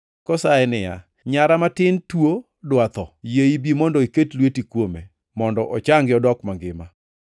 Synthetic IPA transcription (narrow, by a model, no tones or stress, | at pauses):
kɔsaɛnɪja̰ | ɲaɾamatɪntwo | dwat̪ɔjeibimɔndɔiketlwetikwomḛ | mɔndɔʔɔt͡ʃaŋɡɪɔdɔkmaŋɡɪma